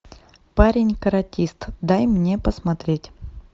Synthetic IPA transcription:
paɾʲɪnʲkəɾɐtʲist̪d̪ajmnʲepəsmɐt̪ɾʲetʲ

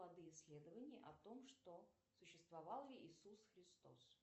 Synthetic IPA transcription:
lˠɐd̪ɨjɪsʲːlʲe̞d̪əvənʲɪjəʔɐt̪o̞mʂt̪o̞ | sʊɕːɪst̪vɐvɑlˠjʲɪʔisusxɾʲɪst̪o̞̰s

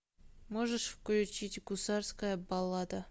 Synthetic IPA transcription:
moʐəʂfklʲʊt͡ɕitʲɡʊsɑrskəjəbɑlˠːɑd̪ə

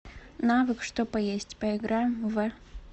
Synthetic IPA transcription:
navɨkʂt̪opɐjesʲtʲpɐɪɡɾajmvɛ

